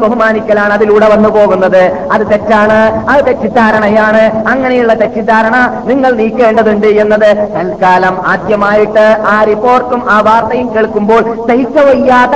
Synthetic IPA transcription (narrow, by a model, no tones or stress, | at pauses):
bɐɦumaːnikʲːɐlaːɳɐðiluːɽeʋɐnːupoːɣunːɐðɨ | ɐðɨt̪etːaːɳɨɐt̪etːid̪aːɾɐɳɐjaːɳɨɐŋːɐnejuɭːɐt̪etːid̪aːɾɐɳɐniŋːɐɭniːkːeːɳɖɐðuɳɖɨenːɐðɨt̪ɐlkaːlɐmaːd̪jɐmaːjiʈːɨaːripːo̞ːrʈːumʔaːʋaːrt̪ɐjumkeːɭkːumbo̞ːɭsɐhikːɐʋɐjːaːðɐ